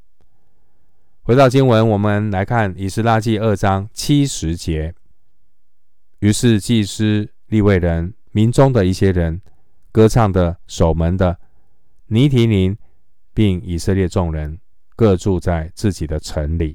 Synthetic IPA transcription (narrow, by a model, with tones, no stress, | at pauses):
xwe˧˥ɪt̪ɑ˥˩ʊt͡ɕi˥ŋwə˧˦˥nwɔ˨˩mə˧nla˧˥ɪkʰa˥˩ni˨˩ʂɻ̩˥˧la˥˧t͡ɕi˥˧ə˥˩ʈ͡ʂɑ˥ŋt͡ɕʰi˥ʂɻ̩˧˥t͡ɕjɛ˧˥ | y˧˥ʂɻ̩˥˧t͡ɕi˥˧ʂ̩˥ | li˥˧we˥˩ɪɻə˧˦n | mi˨˧˥nʈ͡ʂʊ˥ŋd̪ə˨i˥˩ɕjɛ˥ɻə˧˥n | kɤ˥ʈ͡ʂʰɑ˥˩ŋd̪ə˩ʂo˨˩ʊmə˧˥nd̪ə˧ | ni˧˥t̪ʰi˧˥ni˧˦˥n | pi˥˩ŋi˨˩sə˥˧ljɛ˥˧ʈ͡ʂʊ˥˩ŋɻə˧˦n | kɤ˥˧ʈ͡ʂu˥˧t͡sa˥˧ɪt͡sɹ̩˥˩t͡ɕi˨˩d̪ə˦ʈ͡ʂʰə˧˥nli˨˩˦